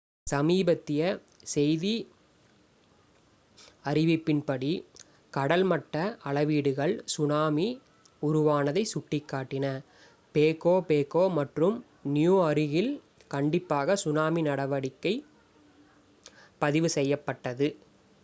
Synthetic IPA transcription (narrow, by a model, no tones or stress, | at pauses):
sɐmiːbɐt̪ːɪjɐ | sɛjði | ɐɾɪʋɪpːɪnpɐɽi | kɐɽɐlmɐʈːɐʔɐɭɐʋiːɽɯɣɐɭsʊnaːmi | ʊɾʊʋaːnɐðɐɪsʊʈːɪkːaːʈːɪnɐ | peːkoːpeːkoːmɐʈrɯm | nɪjuːɐɾɪɣɪl | kɐɳɖɪpːaːɣɐsʊnaːminɐɽɐʋɐɽɪkːɐɪ | pɐðɪʋɯsɛjːɐpːɐʈːɐðɯ